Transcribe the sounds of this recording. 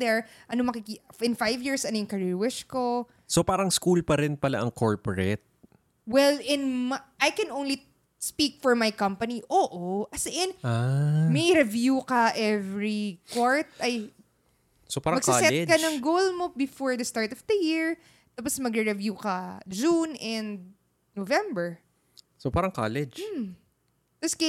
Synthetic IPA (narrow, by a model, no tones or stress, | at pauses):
d̪ɛɹʔɐnomɐkɪkiɪ̃nfajvjiɹsɐnojʊŋkɐɹɪwɛʃko | sopaːɾɐŋskulpɐɾɪnpɐla̰ʔɐŋkʰoɹpoɹɛt̪̚ | wɛlɪnmɐʔajkɛnʔõwnli | spik̚fɔɹmajkɐ̃mpɐniʔoːʔoʔɐsɛʔɛnamɛɾɛvjukɐʔɛvɹikwaɹt̪̚ɐj | sopaːɾɐmɐɡsɪlsɛɛkɐnɐŋɡolmobɪfɔɹd̪ɐst̪aɹt̪ɔfd̪ɐjiɹ | t̪aposmɐɡɾɛɾɛvjukɐd͡ʒunʔɛ̃nd̪̚ | novɛ̃mbɛɹ | sopaːɾɐŋkaːlɛd͡ʒ | t̪ɐske